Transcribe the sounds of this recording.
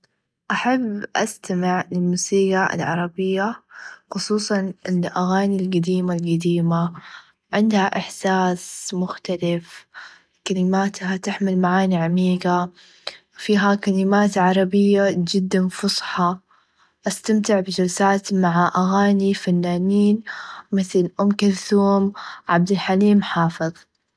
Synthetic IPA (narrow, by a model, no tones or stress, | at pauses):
ʔaħabːʔa̰st̪amɪʕlɪlmuːsiːɡaʔɪ̰lʕɑ̰ɾˤɑbɪjːaxʊsˤuːsˤɑnʔɪʔaɣaːnilɡad̪iːmalɡad̪iːma | ʕɪnd̪haʔɪħsaːsmʊxt̪alɪf | kalɪmaːt̪hat̪ɪħmɪlmaʕaːniʕamiːɡa | fiːɦakalɪmaːt̪ʕɑɾˤɑbɪjːad͡ʒɪd̪ːanfʊsˤħɑ | ʔast̪amt̪ɪʕbɪd͡ʒalsaːt̪maʕaʔaɣaːnifanːaːniːnmɪθlʔʊmkalθuːmʕa̰b̚d̪ɪlħaliːmħɑːfɨðˤ